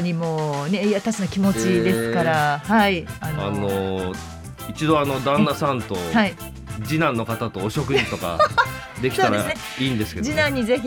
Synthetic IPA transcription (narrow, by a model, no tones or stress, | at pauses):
ɲ̟imoːnejat̪asinakʲimo̞t͡ɕid̪e̞sɨ̥kaɾahaianano | it͡ɕid̪o̞ano̞d̪ãnːasãnt̪o̞hai | d͡ʑinãnːo̞kat̪at̪o̞ːɕo̞kɯ̟ĩt̪o̞ka̰ | d̪e̞kʲi̥t̪aɾane | iːnd̪e̞sɨ̥ked͡ʑinãɲ̟ːize̞çʲi